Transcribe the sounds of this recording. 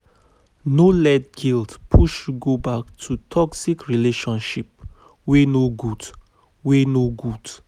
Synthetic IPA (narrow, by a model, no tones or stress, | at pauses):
nolɛd̚ɡildpʰuʃuɡobak̚tʰutʰɔksikɹileʃɔ̃nʃip̚ | wenoɡud | wenoɡud